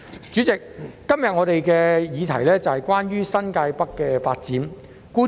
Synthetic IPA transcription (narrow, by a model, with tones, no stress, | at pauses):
t͡ʃyː˨˥t͡sɪ˨k̚ːɐ˥mjɐ˨t̚ŋɔː˨˧t̪e˨jkɛː˧jiː˨˧t̪ʰɐ˨˩jlɛː˥t͡sɐ˨hɐ˨jkwaː˥njyː˥sɐ˥nkaː˧jpɐ˥kːɛː˧faː˧t̚t͡siː˨˥m | kuː˥